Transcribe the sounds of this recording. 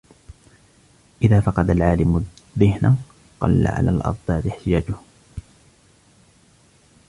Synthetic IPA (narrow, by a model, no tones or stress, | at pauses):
ʔɪðaːfɑqɑd̪alʕaːlɪmʊðɪhna | qɑ̰lːa̰ʕa̰la̰ːlʔɑ̰ɾˤd̪ˤɑːt̪ɪħt̪ɪjaːd͡ʒʊh